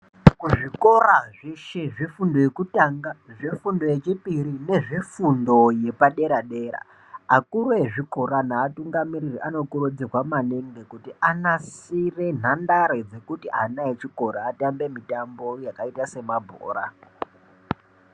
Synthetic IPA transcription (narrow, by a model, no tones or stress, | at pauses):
kuʐiko̞raʐiʃeʐifundo̞jekutaŋɡaʐifundo̞jet͡ʃipiɾine̞ʐifundo̞je̞paɗe̞ɾaɗe̞ːɾa̰ | akuɾoeʐiko̞ɾanaːtuŋɡamiɾiriʔano̞kurud͡ziwamaneŋɡekutianasire̞n̤andaɾed͡ze̞kutiʔanaet͡ʃiko̞ɾaːtambe̞mitambo̞jakaitase̞mabʱo̰ːɾa̰